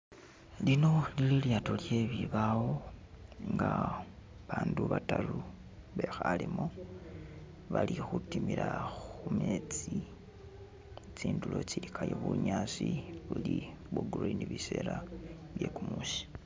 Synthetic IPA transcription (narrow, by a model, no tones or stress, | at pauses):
lino̞lililjaːto̞lje̞βiβawo̞ | ŋɡa | βaːnduβatalu | βe̞xalimo | βalixutimiɾaxumet͡si | t͡siːndulo̞t͡ʃiɾikʰajoβuɲaːsiβuli | βuɡriniβise̞ːla | βje̞ːkumuːsi̥